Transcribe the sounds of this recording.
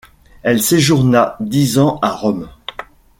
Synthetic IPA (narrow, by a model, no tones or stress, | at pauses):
ɛlseʒuʁnad̪izɑ̃aʁɔm